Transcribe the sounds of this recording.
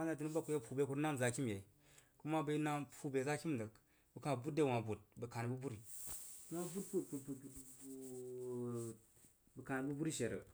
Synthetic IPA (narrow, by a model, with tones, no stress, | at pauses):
a˦na˨t̬i˨ni˦ba˦ku˨˦je˦pʰu˨be˦ku˦ɾna˦n˨za˨ki˦mje˨i˨ | ku˦ma˦bə˨˦na˦pʰu˨be˨za˦kʲi˦m˨də˨k | bu˨kã˨bu˦de˦˨wã˨bu˨t̚bə˨ka˨n˨bu˦bu˦ɾi˨˦na˦bu˦tpu˦pu˨pu˨u˨ | bə˨ka˨ni˨bu˦bu˦ɾi˦ʃe˨ɾə̰˨